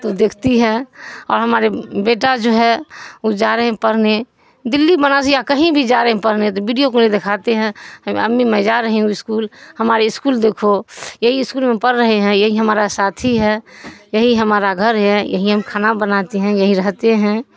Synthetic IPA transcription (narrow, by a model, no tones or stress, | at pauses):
t̪od̪eːkʰt̪iɦɛ̃ɔ̰ːɾɦəmaːɾebeːʈad͡ʒoːɦɛod͡ʒaːɾəɦɛ̃pəɾne | d̪ɪlːibənasejakəɦĩbʱid͡ʒaːɾeɦpəɾnet̪obiːɖijokoled̪ekʰaːt̪eɦɛ̃ɦəmə̰mːimɛ̃d͡ʒaɾəɦeɦũɪskuːlhəmaːɾeɪskuːld̪eːkʰojəɦiɪskuːlmẽpəɾɾəɦeɦɛ̃jəɦiɦəmaːɾasaːt̪ʰiɦɛjəɦiɦəmaːɾaɡʱəɾɦɛjə̰ɦiɦəmkʰaːnabənat̪eɦɛ̃jɐɦĩɾəɦt̪eɦɛ̃